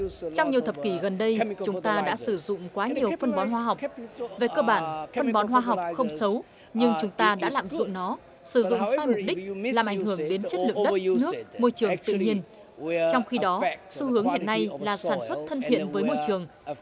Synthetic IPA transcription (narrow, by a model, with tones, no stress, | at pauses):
t͡ɕɔ˧wŋ͡mɲi˨˩əwt̪ə˨˩p̚ki˧˩ɣə˨˩nɗə˧jt͡ɕʊ˨˦ŋ͡mt̪aː˧ɗa̰ː˧˥sɨ˧˩zʊ̰˧˨ŋ͡mkwaː˨˦ɲi˨˩əwfə˧nɓɔ˨˦nɦwaː˧ɦa˨˩wve˨˩kəː˧ɓaː˧˩nfə˧nɓɔ˨˦nɦwaː˧ɦa˨˩wk͡p̚xə˧wŋ͡msə˨˦w | ɲɨ˧ŋt͡ɕʊ˨˦ŋ͡mt̪aː˧ɗa̰ː˧˥la̰ː˨mzʊ̰˧˨ŋ͡mnɔ˨˦ | sɨ˧˩zʊ̰˧˨ŋ͡mssaː˧jmʊ˨˩k͡p̚ɗï˦˥laː˨˩mʔa˧˩jŋ̟ɦɨ˧˩əŋɗe˨˦nt͡ɕə˦˥t̚lɨ̰˨˧˨əɗɨ˧nɨ˥əkmo˧jt͡ɕɨ˨˩əŋt̪ɨ̰˧˨ɲi˧ən | t͡ɕɔ˧wŋ͡mxi˧ɗɔ˨˦su˧hɨ˨˦əŋhḭ˧˨ənːa˧jlaː˨˩saː˧˩nswə˦˥t̚t̪ʰə˧nt̪ʰḭ˧˨ənvəː˨˦jmo˧jt͡ɕɨ˨˩əŋ